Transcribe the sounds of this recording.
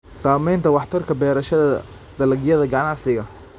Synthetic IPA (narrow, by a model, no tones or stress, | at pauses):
saːmɛjnt̪ʰɐwɑħt̪ʰɐrkʰɐbɛːɾɐʃɐðɐ | d̪̥ɐlɐɡjɐðɐɡɐnɑʕsɪɣɐ